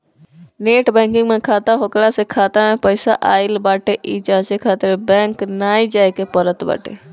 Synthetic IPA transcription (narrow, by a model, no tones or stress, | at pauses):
neːʈbɛ̃ŋkɪ̃ŋɡmẽkʰaːt̪aɦokɽasekʰaːt̪amepəɪsaʔaːɪlbaːʈeʔid͡ʒaːt͡ʃekʰaːt̪ɪɾbɛ̃ːŋknaːid͡ʒaːjkepəɾət̪ba̰ːʈʰḛ